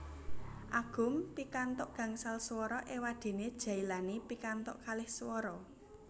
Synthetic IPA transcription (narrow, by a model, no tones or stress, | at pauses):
ʔaɡ̥ʊ̤mpikant̪ʊʔɡ̥ä̤ŋsalswɔɾɔʔewad̪̥e̤ned̥ʒ̥a̤ilanipikant̪ʊ̰ʔkalɪhswɔɾɔ